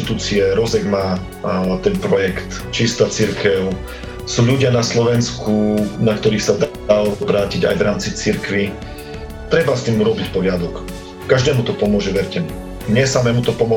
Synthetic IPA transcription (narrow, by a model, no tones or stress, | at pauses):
it̪uːt͡siɛɾɔzɛɡmaː | t̪ɛnpɾɔjɛkt̪ | t͡ʃist̪at͡siɾkɛʊ | suːʎuɟɪanaslɔʋɛnskunakt̪ɔɾiːxsad̪ | alɔbɾaːciɟa̰jʋɾaːmt͡sit͡siɾkʋi | t̪ɾɛbast̪iːmuɾɔbicpɔɦɪad̪ɔk | kaʒd̪ɛːmut̪ɔpɔmʊɔʒɛʋɛɾcɛmu | ɲɪɛsamɛːmut̪ɔpɔmɔ